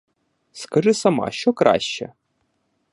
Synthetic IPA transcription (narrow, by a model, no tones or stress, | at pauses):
skɐʐɪsɐmɑ̰ʃt͡ʃɔkɾʔa̰ʃʲt͡ʃɛ̰